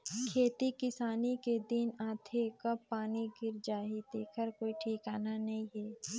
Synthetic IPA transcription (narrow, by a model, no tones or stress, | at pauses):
kʰeːt̪ikɪsaːniked̪ɪnãːt̪ʰekɐbːaːniɡɪɾd͡ʒaːɦid̪eːkʰəɾkoːiʈʰiːkaːnanɐɦĩɦɛː